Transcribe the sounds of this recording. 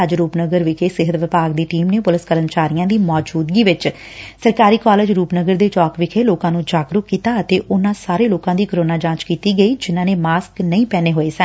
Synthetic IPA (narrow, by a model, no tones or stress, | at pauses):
əd͡ʒɾuːpnəɡəɾʋɪkʰeːsɪɦət̪ʋɪpaːɡd̪iːʈiːmneːpʊlɪskələmt͡ʃaːɾijãːd̪iːmɔːd͡ʒuːd̪ɡiːʋɪt͡ʃ | səɾkaːɾiːkɔːleːd͡ʒɾuːpnəɡəɾd̪eːt͡ʃɔːkʋɪkʰeːloːkãːnũːd͡ʒaːɡɾʊkːiːt̪aːət̪eːʔʊnːãːsaːɾeːloːkãːd̪iːkəɾoːnaːd͡ʒãːt͡ʃkiːt̪iːɡəiːd͡ʒɪnãːneːmaːsknəĩːpɛːneːɦoːeːsən